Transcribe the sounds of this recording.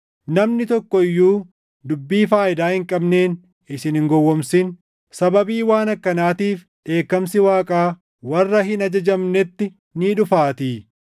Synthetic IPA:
nɐmnɪt̪ɔkːɔɪjːuː | d̪ʊbːiːfaːɪd̪aːhɪŋkʼɐbneːn | ɪsɪnhɪŋɡɔwːɔmsɪn | sɐbɐbiːwaːnɐkːɐnaːt̪iːf | ᶑe̞ːkːɐmsɪwaːkʼaː | wɐrːɐhɪnɐd͡ʒɐd͡ʒɐmnɛt̪ːɪ | niːᶑʊfaːt̪iː

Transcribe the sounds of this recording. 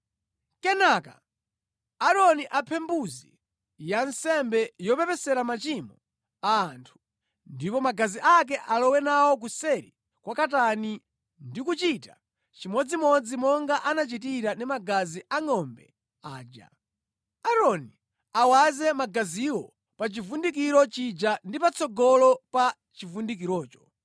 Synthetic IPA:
kɛnaka̰ | aɾɔniʔapʰɛmbuzi | jansɛmbɛjɔpɛpɛsɛɾamat͡ʃimɔ | aːntʰu̥ | ndipɔmaɡaziʔak̬ɛʔalɔwɛnawɔk̬usɛɾi | kwakatani | ndikut͡ʃita | t͡ʃimɔd͡zimɔd͡zimɔŋɡaʔanat͡ʃit̬iɾanimaɡaziʔaŋɔmbɛ | aːd͡ʒa̰ | aɾɔni | awazɛmaɡaziwɔ | pat͡ʃivundikiɾɔt͡ʃid͡ʒandipat͡sʰɔɡɔlɔpa | t͡ʃivundik̬iɾɔːt͡ʃɔ̥

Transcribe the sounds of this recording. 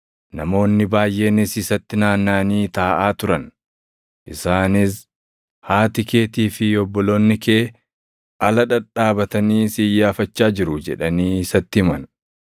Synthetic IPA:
nɐmo̞ːnːɪbaːjʔe̞ːnɪsɪsɐt̪ːɪnaːnːaːniːt̪aːʔaːt̪ʊɾɐn | ʔɪsaːnɪs | haːt̪ɪke̞ːt̪iːfɪɔbːɔlo̞ːnːɪkeː | ʔɐlɐᶑɐᶑaːbɐt̪ɐniːsiːjːaːfɐt͡ʃːaːd͡ʒɪɾʊd͡ʒɛ̰ᶑɐniːɪsɐt̪ːɪhɪmɐn

